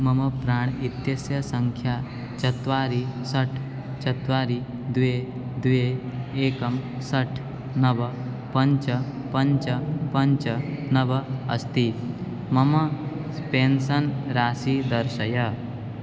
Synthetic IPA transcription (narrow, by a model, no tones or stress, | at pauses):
mɐmɐpɾaːɳ̃it̪jɐsjɐsɐŋkʰjaː | t͡ʃɐt̪ʋaːɾisɐʈʰ | t͡ʃɐt̪ʋaːɾi | d̪uʋe | d̪uʋeeːkɐmsɐʈʰ | nɐʋɐ | pɐɲt͡ʃɐ | pɐɲt͡ʃɐpɐɲt͡ʃɐnɐʋɐɐ̰st̪iː | mɐmɐ | spensɐnɾaːsiːd̪ɐɾsɐjɐ